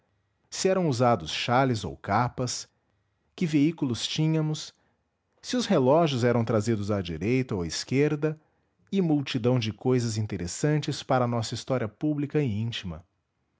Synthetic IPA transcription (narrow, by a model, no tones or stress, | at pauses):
sɪɛɾɐ̃w̃uzad̪ʊsʃalɪzo̰wkapɐs | kɪveikulʊst͡ʃĩɲɐmʊs | sɪʊshelɔʒjʊzɛɾɐ̃w̃t̪ɾazid̪ʊzad͡ʒiɾejt̪ɐoiskeɾd̪ɐ | ɪmuwt͡ʃid̪ɐ̃w̃d͡ʒɪkojzɐzĩnt̪eɾʔesɐ̃nt͡ʃɪspaɾɐːnɔsɐist̪ɔɾiɐpublikɐɪĩt͡ʃimɐ̰